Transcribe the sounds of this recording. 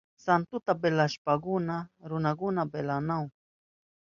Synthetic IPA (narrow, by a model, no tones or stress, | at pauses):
sant̪ʊt̪abelaʃpakʊnaɾʊnakʊnabelanaw